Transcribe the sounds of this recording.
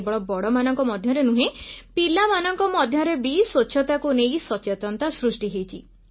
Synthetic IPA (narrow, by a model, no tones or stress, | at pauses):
bɔɭɔbɔɽɔmanɔŋkɔmɔd̪ʱjɔɾenũɦepilamanɔŋkɔmɔd̪ʱjɔɾebisot͡ʃʰɔt̪akunejsɔt͡ʃet̪ɔnt̪asɾusʈiɦejt͡ʃʰi